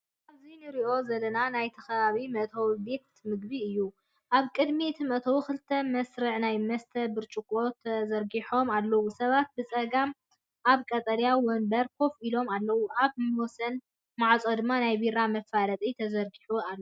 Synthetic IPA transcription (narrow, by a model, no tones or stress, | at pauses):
kʔaβzinɨɾiʔo̞zɐlɐnanajt̪ʰɐxɐβaβimɐt̪ʰobik̚t̪mɨɡbiɨjːu | ʔaβkʼɨd̪mit̪ʰɨmɐt̪ʰɐwukɨlt̪ʰɐmɐsɾɨʕnajmɐst̪ʰɐbɨɾt͡ʃʼukʼo̞t̪ʰɐzɐɾɡiħo̞malːɐwusɐβat̪̚bɨt͡sʼɐɡam | ʔaβkʼɐt̪ʼɐljawɔnbɐɾkʰo̞filo̞malːɐwuʔaβmɨwosɐn | maʕt͡sʼod̪ɨmːanajbiɾamɐfːalɐt̪ʼit̪ʰɐzɐɾɡiħualːo